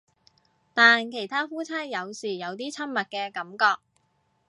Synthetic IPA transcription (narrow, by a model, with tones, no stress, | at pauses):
t̪aː˨nkʰe˨˩jt̪ʰaː˥fuː˥t͡sʰaː˥njɐ˨˧wsiː˨˩jɐ˨˧wt̪iː˥t͡sʰɐ˥nmɐ˨t̚kɛː˧kɐ˨˥mkɔː˧k̚